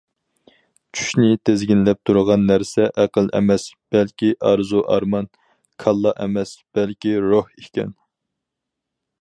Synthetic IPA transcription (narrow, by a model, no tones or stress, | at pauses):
t͡ʃʰy̥ʃnɪt̪ʰezɡʲinlɛp̚t̪ʰuɾəʁɑnːæɾsɛʔæqəlˠʔɛ̰mɛsb̥ɛlkʲiʔɑɾzuʔɑ̰ɾmɑn | kʰɑlˠːɑʔɛ̰mɛsb̥ɛlkʲiɾohikʲɛ̰n